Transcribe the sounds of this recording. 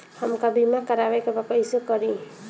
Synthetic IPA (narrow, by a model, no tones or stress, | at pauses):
həmkabimakəɾabakebakəjsekʌɾi